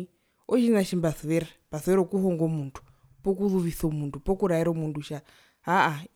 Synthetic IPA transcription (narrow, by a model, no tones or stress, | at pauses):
ɔt͡ʃinaʃimbasʋɛɾapasɛɾokuɦɔŋɡomuntʰu̥ | pɔkuluʋisomuntʰupokuɾaiɾomunduʃa | ɦaa